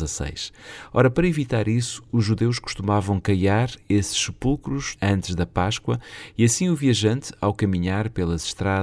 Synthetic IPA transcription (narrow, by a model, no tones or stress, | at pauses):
ɐsɐ̰jʃɔɾɐpɐɾɐivit̪aɾisu̥ːʒʒuðewʃku̥ʃt̪umavɐ̃w̃kɐjaɾesɨ̥ʃsɨpulˠkɾuʃɐ̃nt̪ɨʒðɐpaʃkwɐiɐsĩuviɐʒɐ̃nt̪awkɐmiɲaɾpelˠɐzʃt̪ɾað